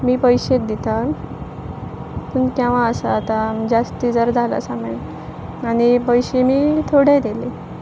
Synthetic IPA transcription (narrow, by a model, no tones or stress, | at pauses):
miːpəjɕet̪̚d̪it̪a | pəɳkɛ̃ʋ̤ãəsa̰ːt̪ad͡ʑast̪iːd͡zəɾd͡zʱala̰samen | añipəjɕemiːt̪ʰoɽẽd̪ele